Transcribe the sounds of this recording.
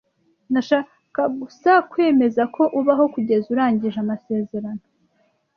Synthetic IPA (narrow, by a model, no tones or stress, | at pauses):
naʃaː | kaɡusakwe̞ːme̞zakʰo̞ʔuβaɦo̞kuɟe̞zuɾaːɲɟiʒamase̞ːze̞ɾano̞